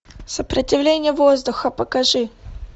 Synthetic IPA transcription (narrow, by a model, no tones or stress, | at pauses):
səpɾətʲɪvlʲenʲɪjəvo̞zd̪ʊxəpəkɐʐɨ